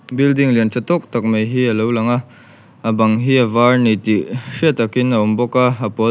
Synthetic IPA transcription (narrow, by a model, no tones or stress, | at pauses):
bildiŋlint͡sat̪ɔk̚t̪ɐk̚mɐjɦiɐlowlɐŋa | abɐŋɦiɐvaɹnit̪iʂiət̪ɐkinɐɔmbɔkaɐpɔ